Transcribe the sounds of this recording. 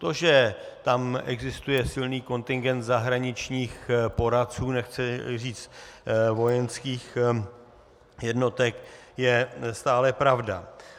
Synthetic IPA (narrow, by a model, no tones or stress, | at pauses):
t̪o̞ʒɛt̪amʔɛ̰ɡzɪst̪ujɛsɪlniːko̞nt̪ɪŋɡɛnt̪zaɦɾaɲɪt͡ʃɲiːxpo̞ɾat̪t͡suːnɛxt͡sɪriːt͡st̪vo̞jɛnskiːx | jɛdno̞t̪ɛkjɛst̪aːlɛpɾavda̰